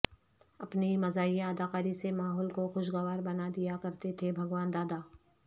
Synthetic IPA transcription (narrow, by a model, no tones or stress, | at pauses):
ɐpnemɐzaːjjaɐd̪aːqaːɾisemaːɦɔːlkoxʊʃ̬ɡɐʋaːɾbɐnad̪ijakɐɾt̪et̪ʰebʱɐɡʋaːnd̪aːd̪aː